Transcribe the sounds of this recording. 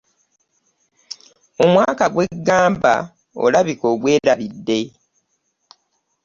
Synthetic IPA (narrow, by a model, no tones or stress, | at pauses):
omwaːkaɡwe̞ɡːaːmba̰ | o̞̰laβiko̞ːβwe̞ːɾaβidːe̞